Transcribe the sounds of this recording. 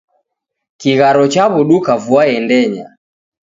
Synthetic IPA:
kiɣaɾɔt͡ʃaβuɗukavuaɛndɛɲa

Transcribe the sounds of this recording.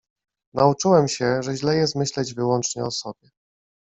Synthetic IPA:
nʔaut͡ʂɘwɛmɕɛʐɛʑlɛjɛst̪mɘɕlɛd͡ʑvɘwɔnt͡ʂɲɛɔsɔbʲjɛ

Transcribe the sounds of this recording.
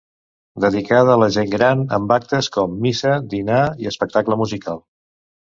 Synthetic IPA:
d̪əðikaðəːləʒeŋɡɾanə̰mbak̚t̪əskɔmːisəd̪inaiəspək̚t̪akləmuzikalˠ

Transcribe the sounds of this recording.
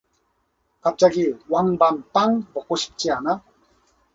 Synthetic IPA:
kap̚t͡ʃaɡiwaŋbampaŋbɔkːoɕi̥p̚t͡ɕiana

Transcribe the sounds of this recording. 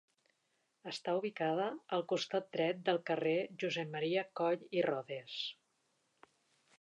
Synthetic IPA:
əst̪auβ̞ikaðəːlˠkust̪at̪̚d̪ɾɛt̪̚d̪əlˠkəreʒuzɛmmːəɾiəkɔʎirɔðes

